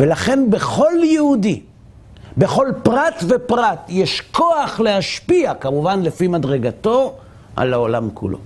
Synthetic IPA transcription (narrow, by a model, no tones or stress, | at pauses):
velaχe̞nbe̞χo̞ljehudi | be̞χo̞lpʁat̪ve̞pʁat̪jeʃko̞aχlehaʃpiakamuvanlefimadʁe̞ɡat̪o̞ | ʔa̰laolamkṵlʔo̞̰